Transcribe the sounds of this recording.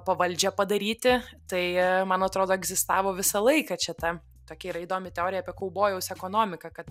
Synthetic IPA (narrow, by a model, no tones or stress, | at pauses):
pɐʋɐlʲd͡ʒʲɛpɐd̪ɐɾʲiːt̪ʲɪt̪ɐɪmɐnɐt̪ɾoːd̪oːɛɡzʲɪst̪ɑːʋoːʋʲɪsɐlˠɐɪkɐt͡ʃʲɛt̪ɐ | t̪oːkʲɛiɾɐɪd̪oːmʲɪt̪ʲɛoːɾʲɪjɐːpʲiɛkɐʊboːjɛʊsɛkoːnoːmʲɪkɐkɐt̪